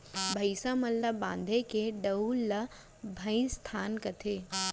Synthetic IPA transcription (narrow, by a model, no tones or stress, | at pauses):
bʱɐɪsamɐlːəbãːnd̪ʱekeɖɐulɐ | bʱɐɪnst̪ʰaːnkɐt̪ʰeː